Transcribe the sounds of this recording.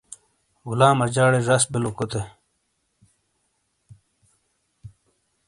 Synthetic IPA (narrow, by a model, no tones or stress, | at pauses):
ɡulaːmɐd͡ʑaːɽeʐɐsbilokot̪e